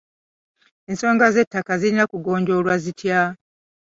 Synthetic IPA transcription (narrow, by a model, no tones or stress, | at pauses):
e̞nso̞ːŋɡaze̞tːakazilinakuɡo̞ːɲɟo̞lwazitʰja